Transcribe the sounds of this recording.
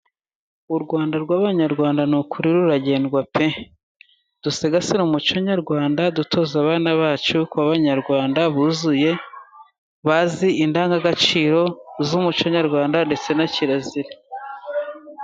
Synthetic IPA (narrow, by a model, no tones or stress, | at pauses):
uɾɡwaːndaɾɡwaːβaɲaɾɡwaːndanukʰuɾiɾuɾaɟe̞ːndɡwape | d̥useɡasinumut͡ʃoɲaɾɡwaːndadutʰo̞ːzaβaːnaβaːt͡ʃukwaβaɲaɾɡwaːndaβuzuje̞ | βaziindaːŋɡaɡat͡ʃiːɾo̞zumut͡ʃoɲaɾɡwaːndande̞t͡se̞naciɾaziɾa